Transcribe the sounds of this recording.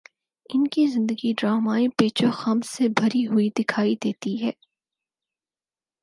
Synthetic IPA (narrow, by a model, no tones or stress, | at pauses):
ɪnkizɪ̃nd̪əɡiɖɾaːmaːipeːt͡ʃoxɐmsebʱɐɾiɦʊid̪ɪkʰaːid̪eːt̪iɦɛː